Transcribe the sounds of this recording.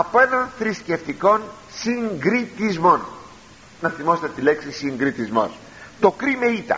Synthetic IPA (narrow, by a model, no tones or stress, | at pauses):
ɐpoenɐnθɾisce̞ft̪iko̞n | siŋɡɾit̪izmo̞n | nɐθimo̞set̪et̪ile̞ksisiŋɡɾit̪izmo̞̰s | t̪o̞kɾime̞it̪ɐ̰